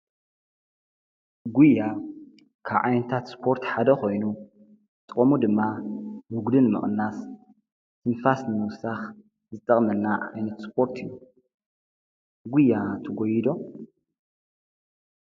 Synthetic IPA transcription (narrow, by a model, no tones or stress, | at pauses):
ɡujːa | kʰaβʕajnɐt̪ʰat̪spʰo̞ɾt̪ħad̪ɐkʰo̞jnu | t̪ʼɨkʼomud̪ɨmːawʊɡd̪ɨnmɨ̰χʼɨnːas | t̪ʰɨnfasnɨmɨwsax | zɨt̪ʼːɐχʼnɐlnaʔa̰jnɐt̪spʰo̞ɾt̪ʰɨjːu | ɡujːat̪ʰɐɡojid̪o̞